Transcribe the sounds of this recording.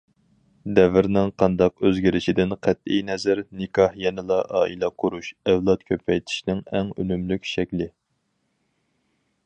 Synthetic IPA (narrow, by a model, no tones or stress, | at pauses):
d̪ɛvɪɾnɪŋqʰɑnd̪ɑqøzɡʲiɾɪʃid̪ɪnqʰæt̪̚ijnɛzɪɾnɪkʰɑhjɛnɪlˠɑʔɑ̰ːilˠɛqʰoɾuʃɛvlˠɑt̪̚kʲʰøpʰɛjt̪ʰɪ̥ʃnɪŋæŋønymlykʲʃɛkʲlɪ